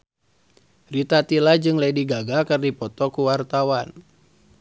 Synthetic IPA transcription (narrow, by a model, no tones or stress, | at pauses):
rit̪at̪ilad͡ʒɨŋlaidiɡaɡakɨrdipɔt̪ɔkuwart̪awan